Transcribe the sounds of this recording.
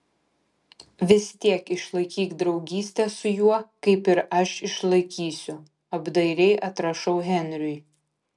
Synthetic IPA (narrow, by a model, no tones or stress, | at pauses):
ʋʲɪsʲt̪ʲiɛkɪʃlˠɐɪkʲiːkd̪ɾɒʊɡʲiːsʲt̪ʲɛsʊjuɔkɐɪpɪɾɐʃɪʃlˠɐɪkʲiːsʲʊ | ɐbd̪ɐɪɾʲɛɪʔɐt̪ɾɐʃɐʊɦʲɛnʲɾʲʊj